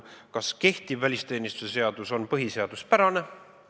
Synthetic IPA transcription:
kɑske̞ht̪ivvælʲist̪e̞ːnist̪usese̞ɑd̪̥uso̞npɤɦise̞ɑd̪̥uspæɾɑne̞

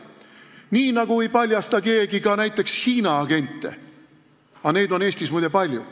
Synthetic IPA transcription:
niːnɑɡ̥uejpɑlʲjɑst̪ɑke̞ːɡ̥ikɑnæjt̪ːˑe̞kshiːnɑːɡ̥e̞nʲt̪ˑːe̞̰ | ɑne̞ːd̪o̞ne̞ːsʲt̪ismujd̪epɑlʲju

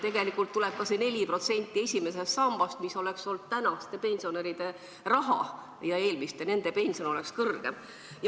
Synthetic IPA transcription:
t̪e̞ɡ̥e̞likːˑult̪ːuleb̥̚kɑsene̞lʲipro̞t̪se̞nʲt̪ʲːˑie̞sʲime̞s̬e̞st̪sɑmb̥ɑst̪miso̞le̞kso̞ld̪̥̚t̪ænɑst̪ːe̞pe̞nʲsio̞neɾid̪̥e̞ | rɑɦɑ̰ | jɑe̞ːlmist̪ene̞nd̪̥e̞pe̞nʲsio̞no̞le̞kskɤrɡ̥e̞m | jɑ

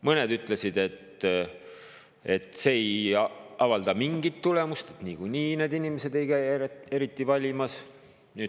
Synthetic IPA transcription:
mɤned̪yt̪ːˑle̞sid̪e̞t̪ | e̞t̪ːˑse̞jɑvɑld̪̥ɑmiŋɡ̥it̪ːule̞must̪et̪niːkujniːneːd̪inimese̞d̪e̞jkæjeɾe̞ɾit̪ːˑivɑlʲimɑs | nyːd̪̥

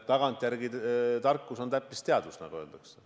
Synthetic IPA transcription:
t̪ɑɡ̥ɑnt̪ˑjæɾɡit̪ɑrkːˑuso̞nt̪æpːist̪eɑd̪vusnɑ̰ɡ̥ue̞ːld̪̥ɑkse

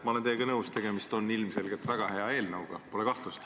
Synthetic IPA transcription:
mɑolet̪eːɡ̥ɑnɤwst̪e̞ɡ̥e̞mist̪o̞nːilmse̞lɡ̥et̪væɡ̥ɑhe̞ɑe̞ːlnɤwɡ̥ɑpo̞le̞kɑht̪lust̪

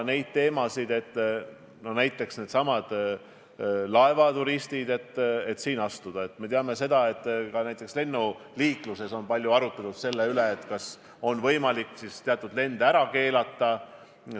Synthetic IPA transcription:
ne̞jd̪̥̚t̪e̞ːmɑsid̪e̞t̪ːˑ | no̞næjt̪ːˑe̞ksne̞ːd̪̥sɑmɑd̪̥ | lɑe̞vɑt̪uɾist̪id̪e̞t̪ːe̞t̪siːnɑst̪ud̪̥ɑe̞t̪ːme̞t̪eɑme̞se̞d̪̥ɑe̞t̪ˑːkɑnæjt̪ːˑe̞ksle̞nːuliːkluse̞so̞npɑlʲjuɑɾut̪ːˑelt̪ud̪̥se̞lːeyleːt̪ːkɑs | o̞nvɤjmɑlikːsist̪eɑt̪ːˑud̪̥le̞nd̪æɾɑke̞ːlɑt̪ːɑ

